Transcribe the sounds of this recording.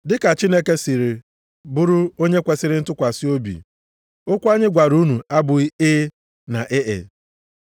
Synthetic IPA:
dɪ˦ka˨t͡ʃi˦ne˦ke˦si˨ɾɪ˨ | bʊ˦ɾʊ˦o˦ɲe˦kʷe˨sɪ˦ɾɪ˦n̩˦tʊ˦kʷa˨si˦o˦bḭ˨ | ʊ˦kʷa˦ɲɪ˦ɡʷa˨ɾu˦nu˨a˦bʊ˨i˦eː˦ | na˨ʔe˦ʔḛ˨

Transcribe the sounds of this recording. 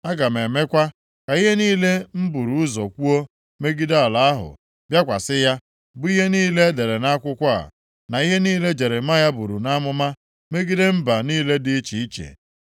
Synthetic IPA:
a˦ɡa˨m˨e˨me˦kʷa˦ | ka˨i˦ɦe˦niː˦le˦m̩˦bu˨ɾu˨ʊ˦zɔ˨kʷu˦o˦ | me˦ɡi˦da˨la˨a˦ɦʊ̰˨ | bja˦kʷa̰˨sɪ˦ja˦ | bʊ˦i˦ɦe˦niː˦le˦e˦de˨ɾe˨na˦a˦kʷʊ˦kʷa˦a̰˨ | na˨i˦ɦe˦niː˦le˦d͡ʒe˨ɾe˨ma˦ja˦bu˨ɾu˨na˦mʊ˦ma˦ | me˦ɡi˦de˦m̩˦ba˨niː˦le˦dɪ˦i˦t͡ʃi˨i˦t͡ʃḛ˨

